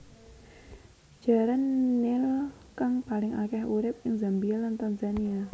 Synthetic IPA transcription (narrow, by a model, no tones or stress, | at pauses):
d͡ʒ̥a̤ɾanːɪl | kaŋpalɪŋakɛhuɾɪp̚ɪŋzambialant̪anzania